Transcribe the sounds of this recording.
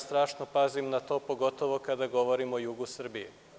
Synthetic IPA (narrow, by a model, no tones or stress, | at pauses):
st̪ɾaːʃnopazimnat̪o̞ːpo̞ɡo̞t̪o̞ʋo̞kad̪aɡo̞ʋo̞ɾimo̞juɡusr̩bije